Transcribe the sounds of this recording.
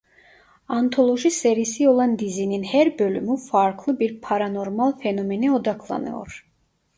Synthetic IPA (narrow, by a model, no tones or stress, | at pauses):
ant̪ʰo̞lˠo̞ʒiseɾisio̞lˠand̪izininhæɾbø̞lʲymyfaɾkʰlˠɯbiɾpʰaɾano̞ɾmalˠfenomenio̞d̪akʰlˠa̰nɯ̰jo̰ɾ